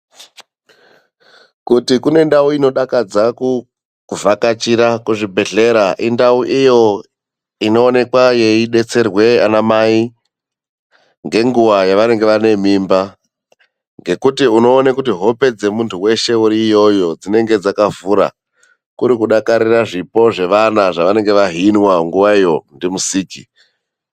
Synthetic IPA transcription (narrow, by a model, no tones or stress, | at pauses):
kutikune̞ndauino̞ɗakad͡zaku | vakat͡ʃiɾakuʐibʱe̞ɮe̞ɾaʔindauʔijo̞ | ino̞ːne̞kwaje̞iɗe̞t͡se̞rwe̞a̰namai | ŋɡe̞ŋɡuʋajaʋane̞ŋɡe̞ʋane̞mimba | ŋɡe̞kutiuno̞ːnakut̬iɦo̞pe̞d͡ze̞muntʰuwe̞ʃe̞uɾijo̞jo̞d͡zine̞ŋɡe̞d͡zakavuɾa̰ | kuɾikuɗakaɾiraʐipo̞ʐe̞ʋanaʐaʋane̞ŋɡe̞ʋaɦinwaŋɡuʋaijo̞ndimusiːki